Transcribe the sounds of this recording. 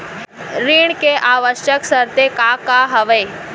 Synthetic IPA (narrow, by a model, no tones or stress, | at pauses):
ɾiːɳkeʔaːʋəʃjəksɐɾt̪ekakaɦɐʋeː